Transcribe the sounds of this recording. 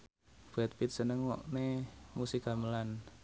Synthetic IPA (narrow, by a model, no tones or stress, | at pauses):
b̥ɛt̪̚pit̪̚sənəŋwɔ̰ʔnemusikɡa̤məlan